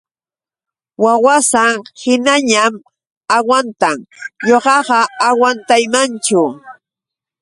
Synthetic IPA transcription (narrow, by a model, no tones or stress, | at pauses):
wawasaŋhɪnaɲam | awant̪aŋɲoɢɑɢɑawant̪ajmant͡ʃʊ